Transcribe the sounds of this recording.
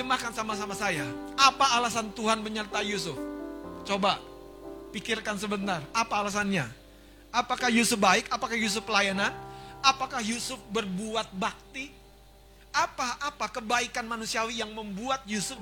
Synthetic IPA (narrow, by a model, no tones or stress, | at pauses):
d͡ʒəmahkansamasamasajaapaːlasant̪uɦanməɲərt̪ajusʊft͡ʃoba | pikɪrkans̬əbənarapaːlas̬anɲa | apakahjusʊp̚baɪkapakahjus̬ʊfpəlajananapakahjusʊf̚bərbuat̪̚bak̚t̪i | apaapakəbaikanmanusiawijaŋməmbuat̪̚jusʊf